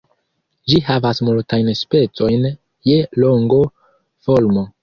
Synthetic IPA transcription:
d͡ʒihavasmultajnspe̞t͡so̞jn | je̞lo̞ŋɡo | folmo̞

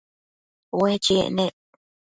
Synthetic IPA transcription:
wet͡ʃiʔnẽ

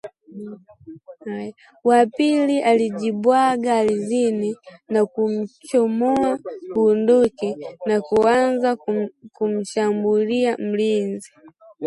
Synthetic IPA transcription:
aj | wapiliʔaliʄibwaɡalizininakum̩t͡ʃɔmɔakuːndɔkɛnakuanzakum̩ʃambuliam̩linzi

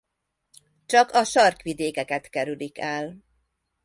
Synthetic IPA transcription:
t͡ʃɒkɒʃɒrkʋid̪eːkɛkɛt̪kɛɾylikɛl

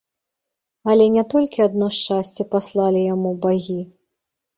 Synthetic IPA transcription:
ɐlʲɛnʲɛt̪ɔlʲkʲiad̪nɔʂt͡ʂasʲt͡sʲɛpaslˠalʲijamubaɣʲi

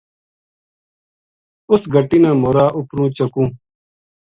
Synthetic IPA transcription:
ʊsɡʱəʈinãːmoːɾaːʔʊpɾũːt͡ɕəkũː

